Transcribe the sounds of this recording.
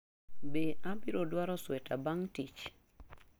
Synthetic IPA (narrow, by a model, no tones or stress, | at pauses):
beabiɾodwaɾɔswɛtabaŋtit͡ʃ